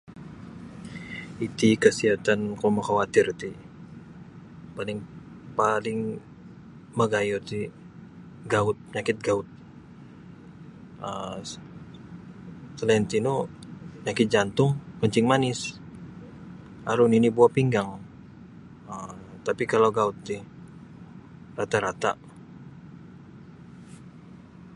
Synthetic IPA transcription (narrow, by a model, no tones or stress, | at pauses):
it̪ikəsiɦat̪ankomakawat̪ɪrt̪i | palɪŋ | palɪŋ | məɡajot̪i | ɡaʊt̪̚ɲakɪt̪̚ɡaʊt̪̚ | ə | səlɛnt̪inoɲakɪt̪̚d͡ʒant̪ʊŋkəɲt͡ʃɪŋmanɪs | aɾʊninibuapiŋɡaŋ | ət̪apikalawɡaʊt̪̚ːɪh | rat̪aɾat̪a̰